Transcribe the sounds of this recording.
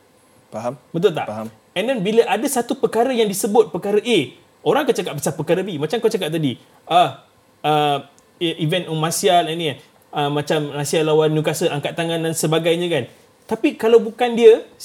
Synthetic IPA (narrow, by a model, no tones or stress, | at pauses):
faɦabət̪̬ʊlt̪a̰ʔ | ɛndɛnbiləʔadəsat̪upəkaɾəjaŋdisəbʊt̪̚pəkaɾəʔe | oɾaŋkat͡ʃakat̪̚bəsapəkaɾəbimat͡ʃamkat͡ʃakaʔ̚t̪adi | ʔah | ə | ʔivɛ̃ntɔŋmãsialɛni | əmãt͡ʃamasialːawanːjukasəʔaŋkat̪̚ːaŋãndansəbaɡajɲə̃kan | t̪apikalawbukandiə